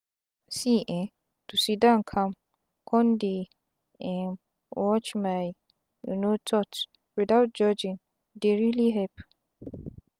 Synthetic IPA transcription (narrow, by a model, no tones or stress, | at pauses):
siʔɛ̃ | tusidãnkʰam | kʰɔ̃ndi | ɛm | wɔt͡ʃmaj | ṵnotʰɔt | widawt̚d͡ʒɔd͡ʒĩn | deɹiliɦɛp